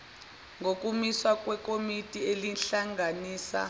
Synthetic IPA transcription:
ŋɡok̬ʼumiswakʼwɛk̬ʼomitʼielinɬaŋaniːsa̰

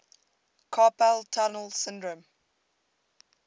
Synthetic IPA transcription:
kʰɑpɛltʰɔnəlsɪ̃ndɹə̃m

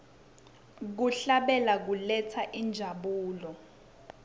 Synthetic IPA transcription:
k̬uɬaɓɛlak̬ulɛt͡sʰaʔind͡ʒʱaɓuːlɔ

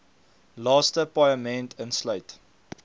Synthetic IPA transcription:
lɑːstəpajəmɛntʰənsləjt

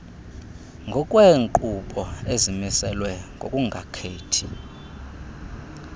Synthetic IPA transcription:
ŋɡʱɔkʼweːŋǃuɓʼɔezimisɛlwɛŋɡʱo̰kʼuŋɡʱakʰeːtʰi

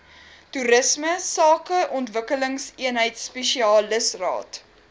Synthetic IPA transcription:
tuɾəsməsɑːkəʔɔntvəkələŋsiənɦəjtspɛʃiɑːləsrɑ̰ːt

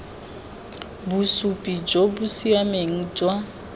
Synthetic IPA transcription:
busupʼid͡ʒobusiameŋ̩d͡ʒwa

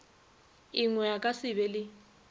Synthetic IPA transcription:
iŋwɛjakʼasɪβɛlɪ

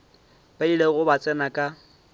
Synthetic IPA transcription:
b̥adileɣʊbat͡sʼɛnakʼa

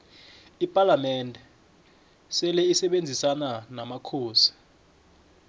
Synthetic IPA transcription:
ipʼalamɛndʱɛ | sɛlɛisɛɓend͡zʱisananamakʰoːsi̥

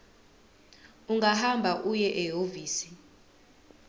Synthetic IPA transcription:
uŋɡahambʱaʔujɛʔɛɦoviːsi

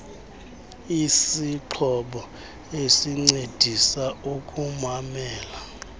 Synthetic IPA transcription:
isiǃʰɔɓɔ | esiŋ͡ǀed̥ʱisaukʼumamɛːla

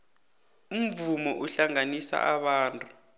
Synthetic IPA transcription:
um̩vumɔʔuɬaŋanisa̰ʔaɓaːntʼu̥

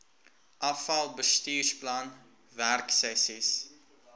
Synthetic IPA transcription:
ʔɐfɐlˠbəstiːrsplɐn | værksɛsis

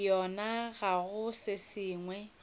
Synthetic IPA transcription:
jɔnaɣaɣʊsɪsiːŋwɛ

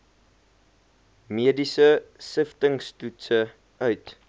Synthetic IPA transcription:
miədisəsəftəŋstutsə | ʔœɥt

